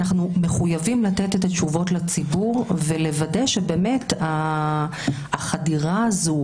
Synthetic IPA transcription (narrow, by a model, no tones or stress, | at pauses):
naχnume̞χujavimlatetet̪at͡ʃuvo̞tlat͡sibuʁve̞le̞vade̞ʃebe̞ːme̞ta | χadiʁazu